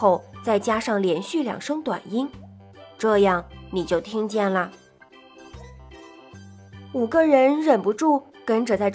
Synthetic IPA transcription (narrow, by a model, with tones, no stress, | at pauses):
o˥˩ʊt͡sa˥˩ɪt͡ɕja˥ʂɑ˥˩ŋljɛ˧˥nɕy˥˩ljɑ̰˨˩ŋʂɤ˥ŋt̪wa̰˨˩ni˥n | ʈ͡ʂɤ˥˧jɑ˥˩ŋni˨˩t͡ɕjo˥˩ʊt̪ʰi˥ŋt͡ɕjɛ˥˩nlə˩ | u˨˩ɡə˧ɻə˧˥nɻə˨˩npu˧˥ʈ͡ʂu˥˩kə˥nʈ͡ʂə˨˩t͡sa˥˧ɪ